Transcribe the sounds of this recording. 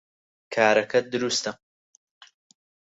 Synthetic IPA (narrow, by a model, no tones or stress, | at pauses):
kʰaːɾɐkʰɐd̪ɨɾuːst̪ʰɐ